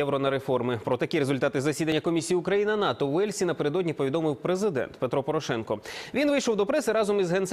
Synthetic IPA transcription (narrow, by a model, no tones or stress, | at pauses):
ɛwɾɔnɐɾefɔrmɪpɾɔt̪ɐkʲiɾe̞zʊlʲt̪ɑt̪ɪzɐsʲid̪ɐnʲːɐkɔmʲisʲijiʊkɾɐjinɪnɑt̪ɔwɛlʲsʲinɐpeɾed̪ɔdʲnʲipɔʋʲid̪ɔmɪwpɾezɪd̪ɛ̰nt̪pe̞t̪ɾɔpɔɾɔʃɛnkɔʋʲinʋɪjʃɔwd̪ɔpɾɛsɪɾɑzɔmizɦɛnt̪s